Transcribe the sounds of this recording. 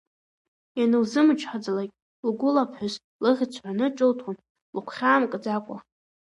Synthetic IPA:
janɨwzɨmɨt͡ʃʰʼħad͡zlakʲʼ | lɡʷʊlapʰħʷʊz | lɨʁʲt͡sʰħʷanɨʈ͡ʂʼɨltʰwan | lkʷʰχʲaːmkʼɨd͡zakʷʼa̰

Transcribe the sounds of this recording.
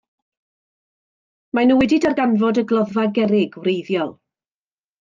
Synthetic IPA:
manuwɛdɪdarɡanvɔdəɡlˠɔðvaɡɛɾɪɡwrejðjɔlˠ

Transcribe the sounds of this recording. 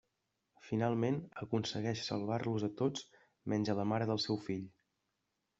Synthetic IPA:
finalˠmenəkunsəɣɛʃsə̰lˠβarluzət̪ot͡s | mɛnʲd͡ʒələmaɾəðəlˠsɛwfiʎ

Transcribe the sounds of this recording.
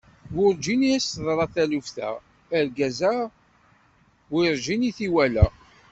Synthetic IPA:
ɡʊɾd͡ʒiniæsəðˤɾˤɑθælufθæ̰ː | ɾɡæzæ | wiɾʒiniθiwælæ

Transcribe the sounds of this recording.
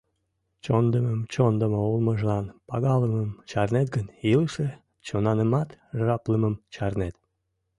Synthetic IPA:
t͡ɕond̪əməmt͡ɕond̪əməulməʒəlɑnpɑɣɑləməmt͡ɕɑrnet̪ɡənilʃe | t͡ɕonɑnəmɑt̪ʒɑpləməmt͡ɕɑrnet̪

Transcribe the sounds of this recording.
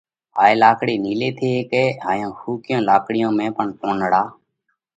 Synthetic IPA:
ɦaːeːlaːkɽeːniːleːt̪ʰeːkeːɦaːjõːxuːkɪjõːlaːkɽɪjõːmẽːpəɳkoːnɽaː

